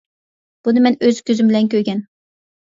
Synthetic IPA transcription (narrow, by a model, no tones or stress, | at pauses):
b̥unɪmɛnøzkʲøzɪmbɪlɛnkʲʰøɾɡʲɛn